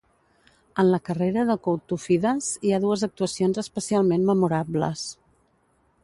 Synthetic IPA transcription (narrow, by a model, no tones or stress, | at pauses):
ənləkəreɾəðəkowt̪ufiðəziaðuəzək̚t̪uəsionzəspəsialˠmenməmuɾablə̰s